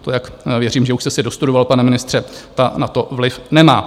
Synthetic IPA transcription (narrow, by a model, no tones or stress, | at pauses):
t̪ojakvjɛr̝iːmʒɛuʃst̪ɛsɪdost̪udovalpanɛmɪnɪst̪r̥ɛt̪anat̪o̞vlɪfnɛmaː